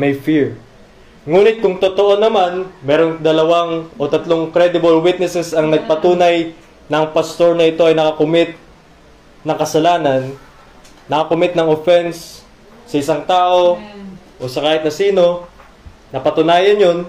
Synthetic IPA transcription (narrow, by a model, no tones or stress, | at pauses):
mɐjfiɹ | ŋuːnɪt̪̚kʊŋt̪ot̪o̞ʔo̞nɐmanmɛːɾo̞ŋd̪ɐlɐwaŋʔo̞t̪ɐt̪lo̞ŋkɾɛd̪ɪbɐlwit̪nɛsɛsɐŋnɐɡ̚pɐt̪uːnɐj | nɐŋpɐst̪o̞ɹnɐɪt̪o̞ʔɐjnɐkɐkʊmɪt̪̚ | nɐŋkɐsɐlaːnɐnː | ɐkɐkʊmɪt̪̚nɐŋofɛns | sɐʔɪsaŋt̪aːʔo̞ | ʔosɐkaːhɪt̪nɐsiːno̞ | nɐpɐt̪ʊnaːjɐnjon